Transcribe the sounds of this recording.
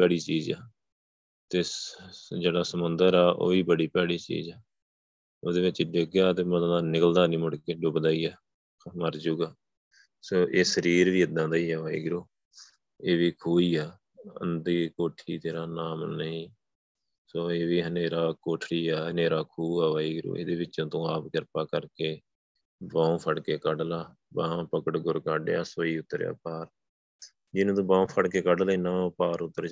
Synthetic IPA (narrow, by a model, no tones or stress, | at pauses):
pɛːɽiːt͡ʃiːd͡ʒɛː | t̪eː | d͡ʒeːɽaːsəmənd̪əɾaːʔo̰ːʋiːbəɽiːpɛːɽiːt͡ʃḭːzɛː | oːd̪eːʋɪt͡ʃɖɪɡjaːt̪eːməãːaːnɪkəld̪aːnĩːmʊɽkeːɖʊbd̪aːiːaː | məɾd͡ʒuːɡaː | soːʔeːsəɾiːɾʋiːəd̪ːãːd̪aːiːɛːaːḭːɡɪɾoː | eːʋiːkʰuːiːaː | ə̰nd̪iːkoːʈʰiːt̪eːɾaːnaːmnəĩː | soːeːʋiːɦəneːɾaːkoːʈʰɽiːaːɦəneːɾaːkʰuːaːʋaːiːɡɪɾṵːḛːd̪eːbɪt͡ʃːãːt̪õːaːpɡɪɾpaːkəɾkeː | bãːũːpʰəɽkeːkəɖlaː | bãːpəkəʈɡʊɾkaːɖja̰ːsoːiːʊt̪ːəɾja̰ːpaːɾ | d͡ʒɪnũːt̪̬õːbãːũːpʰəɽkeːkəɖlinãːãpaːɾʊt̪ːəɾ